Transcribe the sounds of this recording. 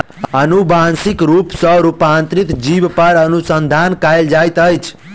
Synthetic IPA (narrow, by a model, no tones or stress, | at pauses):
ənubansikɾupsə̃ɾupant̪ɾit̪d͡ʒibpəɾənusənd̪ʱankajld͡ʒajt̪əjt͡ʃʰ